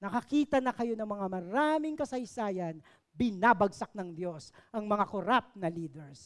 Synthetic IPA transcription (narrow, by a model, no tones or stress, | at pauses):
nɐkɐkiːt̪ɐnɐkɐjo̞nɐŋmɐŋamɐɾaːmɪŋkɐsɐjsaːjɐn | bɪnabɐɡ̚sak̚nɐŋd̪jo̞sʔɐŋmɐŋakʊɾap̚nɐliːd̪ɛɹs